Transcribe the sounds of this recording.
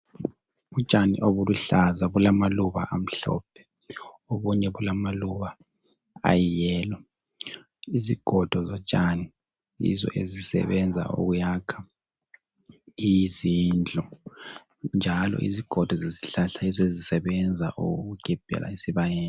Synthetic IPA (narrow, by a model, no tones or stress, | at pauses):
βut͡ʃʼanḭʔoβuluɬazaβulamaluβa̰ʔam̩ɬɔ̰ːp̚ʰɛ̥ | oβuɲɛβulamaluβa | a̰jijɛːlɔ | iziɡ̥ʱɔd̥ʱɔzɔt͡ʃʼani | ḭzɔ̰ʔezisɛ̰βɛnd͡zʱa̰ʔo̰ɣujakʰḁ | izind͡ɮʱɔ | nd͡ʒʱalɔ̰ʔḭziɡ̥ʱɔd̥ʱɔzesi̥ɬaɬaizɔezisɛβɛnd͡zʱaʔoɣuɡ̥ʱib̥ʱɛ̰lʔa̰isiβajɛːnɛ